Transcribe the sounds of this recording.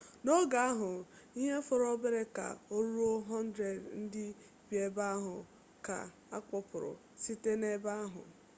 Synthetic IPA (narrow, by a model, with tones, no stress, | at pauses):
no˦ɡa˨a˦ɦʊ˨i˦ɦe˦fʊ˨ɾɔ˦be˦ɾe˦ka̰˨o˦ɾu˦ɾo˦ɦɔ˦n̩˦dɾe˨dn̩˦dɪ˦ | bi˨˦e˦ba˦a˦ɦʊ˨ | ka̰˨ | a˦k͡pʊ˨pʊ˨ɾʊ̰˨ | si˦te˦ne˦ba˦a˦ɦʊ̰˨